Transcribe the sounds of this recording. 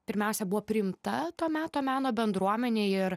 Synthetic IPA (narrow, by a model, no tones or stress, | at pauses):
pʲɪɾʲmʲɛʊsʲɛbʊʋoːpʲɾʲɪɪmt̪ɐt̪oːmʲæːt̪oːmʲæːnoːbʲɛnd̪ɾuɔmʲɛnʲeːɪɾ